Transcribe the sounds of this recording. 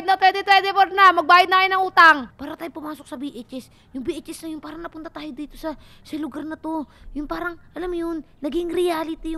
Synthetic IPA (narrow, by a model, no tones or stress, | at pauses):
d̪nɐt̪wɛnt̪ɛt̪wɛnt̪ɛpoɾnɐmɐɡ̚baːʔɪd̪̚nɐkɐjɪnɐŋuːt̪aŋpaːɾɐt̪aːjopʊmaːsok̚sɐbiʔɛt͡ʃɛs | jʊŋbiʔɛt͡ʃɛsnɐjʊnpaːɾɐŋnɐpʊnt̪ɐt̪aːjod̪iːt̪o̞sɐ | sɐlʊɡaɾnɐt̪o̞jʊnpaːɾɐŋʔɐlamjonːɐɡɪŋɾɪjaːlɪt̪ɪjʊ